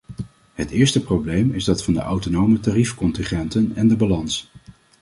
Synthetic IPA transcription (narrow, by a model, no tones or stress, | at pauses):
ɦətɪːɹstəprowblejmɪzdɑtfɑndə̰ʔɑwtonowmətarifkɔntɪŋχɛntənɛndəbalɑns